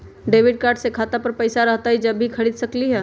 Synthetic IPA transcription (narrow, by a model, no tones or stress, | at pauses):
ɖeːʋɪɖ̚kaːɾɖsekʰaːt̪apɐɾpɐɪsaɾɐɦt̪aɦid͡ʒɐbːikʰɐɽiːd̪sɐkliɦɛː